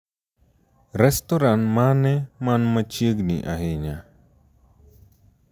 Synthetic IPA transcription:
ɾɛstoɾanmanɛmanmat͡ʃəɡnḭʔa̰ɦeɲa

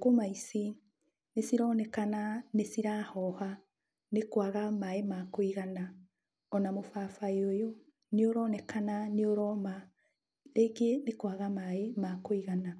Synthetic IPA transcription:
komaisi | nesiɾɔːnɛkananesiɾaːhɔha | nekwaɣamaemakoiɣana | ɔnamofafaeojo | neoɾɔnɛkananeoɾɔma | ɾekenekwaɣamaemakoiɣana

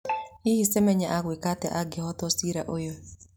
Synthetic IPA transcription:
ihisɛmɛɲaʔaɡwɪkatɛ̰ʔaɡɪhɔtɔsiɾaʔojo

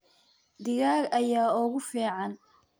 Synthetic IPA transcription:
d̪ɪɣaːɡɐjaːʊɣʊfiːʕɑn

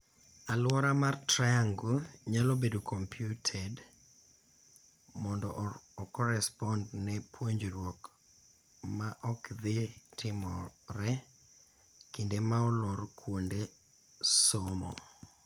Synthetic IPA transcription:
alwɔɾamartɾajaŋɡuɲalɔbedokʰɔmpʰjutʰɛd | mɔndɔːkɔɾɛspɔndnɛpʰwoɲd͡ʒoɾwok | maʔɔkðɪtɪmɔɾɛ | kindemaɔlɔɾkwonde | somɔ̰

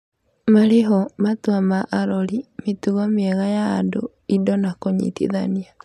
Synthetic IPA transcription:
maɾeɦɔmatwamaʔaɾɔɾimetuɣɔmeɛɣaja̰ːdo | idɔnakoɲḭtḭðania

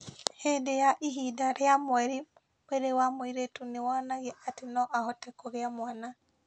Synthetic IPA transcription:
hedejaʔiɦidaɾeamwɛɾi | weɾewamoiɾetunewanaɣeʔatenɔʔahɔtɛkɔɣeamwana

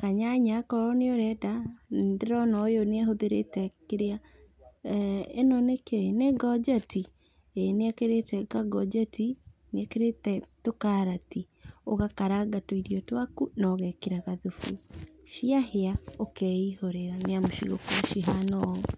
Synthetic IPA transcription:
kaɲaɲakɔɾɔneoɾɛdandeɾɔnɔjoneaɦoðeɾḛtɛkeɾea | ḛnɔnekeneɡɔd͡ʒɛti | eneakeɾetɛɡaɡɔd͡ʒɛti | neakeɾetɛtokaɾati | oɣakaɾaɡatoiɾijɔtwakunɔɣɛkeɾaɣaðufuʃiaheaokɛihoɾeɾaneamoʃḭɣo̰kɔʃiɦanɔ

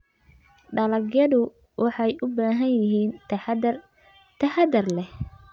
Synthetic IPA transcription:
ɖɐlɐɡjɐðʊ | wʔɑħɑjʊbaːɦɐnjɪɦiːn | t̪ʰɐhɐd̪ɐrlɛh

